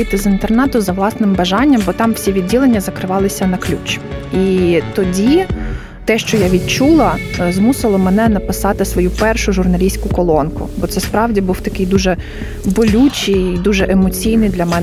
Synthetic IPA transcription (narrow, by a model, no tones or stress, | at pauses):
ɪt̪ɪzɪnt̪ernɛt̪ʊzɐʋlˠɑsnɪmbɐʒɑnʲːɐmbɔt̪ɑmwsʲiʋʲid̪̚ʲːilˠenʲːɐzɐkɾɪʋɑlˠɪsʲɐnɐklʲut͡ʃit̪ɔdʲi | t̪ɛʃt͡ʃɔjaʋʲid̪̚t͡ʃulˠɐzmusɪlˠɔmɛnɛnɐpɪsɑt̪ɪsʋɔjupɛrʃʊʒʊrnɐlʲisʲkʊkɔlˠɔnkʊ̰bɔt̪sɛspɾɑwdʲibuwt̪ɐkɪjd̪uʒɛ | bɔlʲut͡ʃʲijd̪uʒɛʔemɔt͡sʲijnɪjd̪lʲɐmɛn